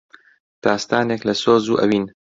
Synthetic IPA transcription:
t̪aːst̪aːneklɐsoːzuːʔɐ̰wiːn

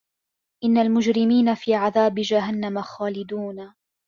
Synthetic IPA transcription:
ʔɪnːalmʊd͡ʒɾɪmiːnafiːʕaðaːbɪd͡ʒaɦanːamaxaːlɪd̪uːn

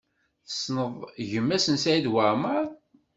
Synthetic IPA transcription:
θə̥snəðˤʝəmːæsənsæid̪wəʕməɾˤ

